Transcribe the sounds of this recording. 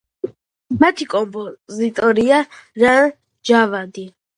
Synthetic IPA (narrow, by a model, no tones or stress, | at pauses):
mat̪ʰikʼɔmpʼɔzit̪ʼɔɾiaɾa | d͡ʒavad̪i